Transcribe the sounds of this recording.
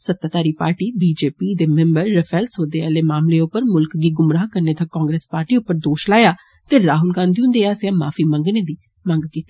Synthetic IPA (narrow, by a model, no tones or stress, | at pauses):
sət̪ːaːt̪aːɾiːpa̰ːɾʈiːbiːd͡ʒeːpiːd̪eːmɛ̃mbəɾːəpʰɛːlsɦoːd̪eːaːleːmaːmleːʊpːəɾmʊlkɡiːɡʊmɾaːɦkəɾneːt̪ãkɔ̃ːŋɡɾeːspaːɾʈiːʊpːəɾd̪oːʃlaːjaː | t̪eːɾaːɦʊlɡãːnd̪iʊ̃nd̪eːaːsjãːmaːfʰiːmə̃ŋɡneːd̪iː | mə̃ŋɡkiːt̪i